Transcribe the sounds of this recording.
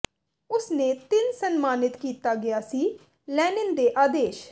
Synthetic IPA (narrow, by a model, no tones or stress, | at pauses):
ʊsneːt̪ɪnsənmaːnɪt̪kiːt̪aːɡɪjaːsiː | lɛːnɪnd̪eːʔaːd̪eːʃ